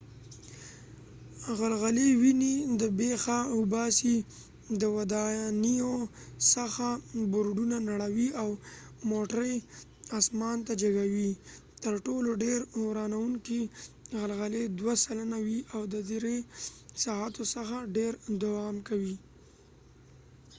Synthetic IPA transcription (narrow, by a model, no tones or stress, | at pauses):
ɣalɣalewinid̪əbexaʊbɑsi | d̪əwad̪ɑnijosəxabʊɾɖunanaɽawiawmoʈɾəj | ɑsmɑnt̪ad͡ʒaɡawi | t̪əɾʈoloɖeɾwɾɑnawuŋkiɣalɣaled̪wasalanawiʔawd̪əd̪eɾesɑɦat̪osəxaɖeɾd̪awɑmkawi